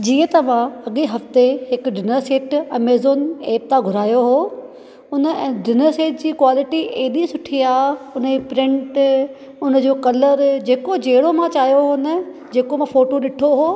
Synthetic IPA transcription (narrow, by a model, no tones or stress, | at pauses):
d͡ʑiːə̃t̪ɐʋ̤ãɐɠeɦɐft̪eɦɪkʊɖɪnəɾseːʈɐmeːzoːneːp̚t̪aɡʱʊɾaːjoɦoː | ʊnə̆ɛ̃ːɖɪnəɾseːʈ̚d͡ʑiːkʋaːlɪʈiʔeːɗĩsʊʈʰiaːʊnepɾɪ̃ɳʈ | ʊnə̆d͡ʑoːkɐləɾd͡ʑeːkod͡ʑeːɽomãt͡ɕaːijoɦonə | d͡ʑeːkomãfoːʈoɗɪʈʰoɦoː